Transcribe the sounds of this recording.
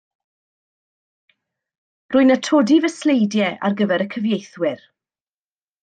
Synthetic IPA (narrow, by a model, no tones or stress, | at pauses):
rʊːɨnətʰodivəslejdjɛʔa̰rɡəvɛɾəkʰəvjejθwɪr